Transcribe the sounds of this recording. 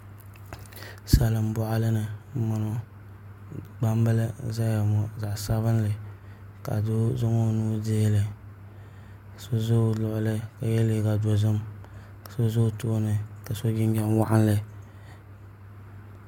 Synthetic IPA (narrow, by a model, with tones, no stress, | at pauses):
sa˨lɨ˨mbɔ˦ʔa˦lɨ˦nɨ˨ma˨nɔ˦ | ɡ͡ba˦m˦bɨ˦lɨ˦za˦ja˨m˨za˨ʔsa˦βɨ˦n˦lɨ˨ | ka̰˨do˦zo˦ŋo˦nuː˦deː˦lɨ˨ | so˦zo˦lʊ˨ʔʊ˨lɨ˦ka˨jɛ˦le˦ɡa˨do˨zɨ˦m | ka˨so˦zo˦to˦nɨ˨ka˨so˦ɡɪ˦n˦ɡɛ˦nwa̰˦ʔa˦nlɨ˦